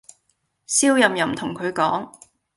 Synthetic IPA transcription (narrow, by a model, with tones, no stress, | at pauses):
siː˥wjɐ˨mjɐ˨˩mt̪ʰʊ˨˩ŋkʰɵ˨˧ɥkɔː˨˥ŋ